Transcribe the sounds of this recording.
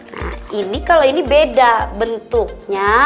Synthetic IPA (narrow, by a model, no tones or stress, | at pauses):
na̰hinikaloinibedabənt̪ʊk̚ɲa